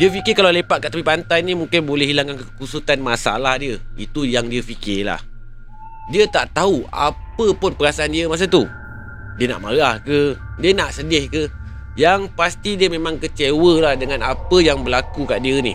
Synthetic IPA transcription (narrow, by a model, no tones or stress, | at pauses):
diəfikɪkalalepat̪ʔ̪̚kaʔt̪apipant̪ajnimũŋkɪnbolɛɦilaŋkankəkusut̪anmasaa̰lahdiəit̪ujaŋdiəfikɪla̰h | diət̪aʔt̪aɦua̰pəpʊnpəɾasaʔandiəmas̬at̪u | diəna̰ʔmaɾahkədiənaʔsədɪhkə | jaŋpast̪idiəmemãŋkət͡ʃewəlahdəŋanapəjaŋbəlakuka̰ʔdiənḭ